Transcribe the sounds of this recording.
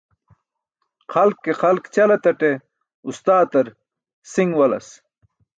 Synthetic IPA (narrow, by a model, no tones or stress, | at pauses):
xɐlkːexɐlkt͡ɕɐlɐt̪ɐʈe | ust̪aːt̪ɐɾ | siŋɡwɐlɐ̰s